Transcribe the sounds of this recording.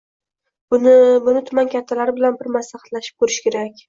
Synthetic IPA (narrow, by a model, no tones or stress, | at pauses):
bʊnɪt̪ʰʊmankʲʰat̪ʰːalaɾɪbɪlanbɪɾmaslaχḁt̪laʃɪ̥p̚kʰɵɾɪʃkʲʰe̞ɾakʲ